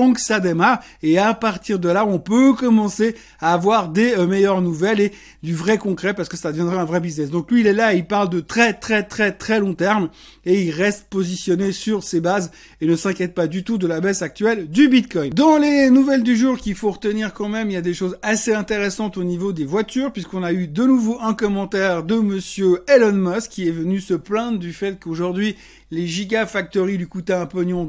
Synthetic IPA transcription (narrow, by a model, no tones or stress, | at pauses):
ɑ̃ksad̪emaʁ | eapaʁt̪iʁd̪əlaɔ̃pøkɔmɑ̃se | aːvwaʁd̪emɛjœʁnuvɛle | d̪yvʁɛkɔ̃kχɛpaʁsə̥kəsad̪əvjɛ̃d̪ʁɛɛ̃vʁɛbiznɛs̬d̪ɔ̃klɥiːlɛlaeilpaʁld̪ət̪χɛt̪χɛt̪χɛt̪χɛlɔ̃t̪ɛʁm | eilʁɛst̪̚pozisjɔnesyʁsebaz | enəsɛ̃kʲjɛt̪̚pad̪yt̪ud̪əlabɛsak̚t̪ɥɛld̪ybit̪kɔjnd̪ɑ̃lenuvɛld̪yʒuʁkʲilfoʁət̪əniʁkɑ̃mɛmiljad̪eʃozaseɛ̃t̪eʁɛsɑ̃t̪onivod̪evwat̪yːʁpɥiskɔ̃nayd̪ənuvoʔɛ̃kɔmɑ̃t̪ɛʁd̪əməsjøelɔnmɔskʲiɛvənysəplɛ̃d̪d̪yfɛt̪̚koʒuʁd̪ɥi | leʒiɡafak̚t̪ɔʁilikut̪ɛ̃ɛ̃pɔɲɔ̃